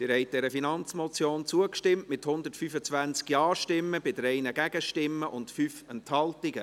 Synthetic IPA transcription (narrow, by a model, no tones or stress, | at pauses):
dɪɾhɛɪt̚d̥ɛɾəfinɑnt͡smɔt͡sjoːnt͡suəkʃtɪmtmɪthʊnd̪ətfyfət͡svænt͡skjɑːʃtɪmːəbɪdɾɛɪnəɡæɡ̥əʃtɪmːəʔʊndfyfɛnthɑltiɡə